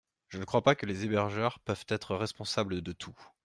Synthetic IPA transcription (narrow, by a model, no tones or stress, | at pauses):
ʒ̥ənəkχwapakəlezebɛʁʒœʁpœvt̪ɛt̪χəʁɛspɔ̃sabləd̪ət̪ʰu